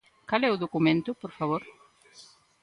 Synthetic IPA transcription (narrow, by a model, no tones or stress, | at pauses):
kalɛʊðokumẽnt̪ʊpoɾfaβ̞oɾ